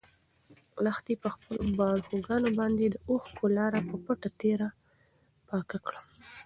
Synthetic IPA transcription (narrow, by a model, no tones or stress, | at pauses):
laxt̪epəxpəlobɑɽxoɡɑnobɑnd̪ed̪əoxkʰolɑɾapəpaʈat̪eɾa | pɑkakɽa